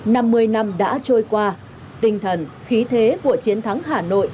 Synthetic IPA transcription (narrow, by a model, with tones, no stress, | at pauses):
na˧mːɨ˧əjna˧mɗa̰ː˧˥t͡ɕo˧jkwaː˧ | t̪ï˧˩ŋ̟t̪ʰə˨˩nxi˨˦t̪ʰe˨˦ku˧˩ət͡ɕi˨˦ənt̪ʰa˨˦ŋɦaː˨˩no̰˧˨jʔ